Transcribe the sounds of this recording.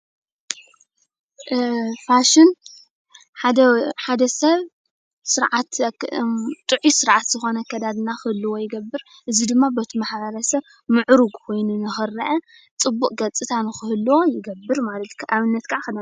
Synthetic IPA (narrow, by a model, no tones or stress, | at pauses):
faʃɪn | ħaħad̪ɐsɐβ | sɨɾʕat̪ | t̪ʼɨʕisɨɾʕat̪z̥ɨxo̞nɐkʰɐd̪ad̪naxɨhɨlːɨwo̞jɪɡɐbːɨɾ | ʔɨzid̪ɨmːabɐt̪ʰimaħβɐɾɐsɐβ | mɨʕɾuɡkʰo̞jnunɨxɨrːɐʔɐ | t͡sʼɨbːukʼɡɐt͡sʼɨt̪ʰanɨxɨhɨlːwo̞jɪɡɐbːɨɾmalɐt̪kʰʔaβɨnːɐt̪kʰaʕxɐd̪a